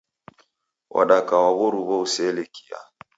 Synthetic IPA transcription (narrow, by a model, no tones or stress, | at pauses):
wʔa̰ɗakawaβɔɾuβɔusɛleki̥a̰